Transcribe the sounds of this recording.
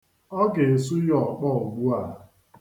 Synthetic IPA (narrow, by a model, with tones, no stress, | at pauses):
ɔ˦ɡe˨e˨s̬u˦jɔ˨k͡pɔ˦˨ɡ͡bu˦a˨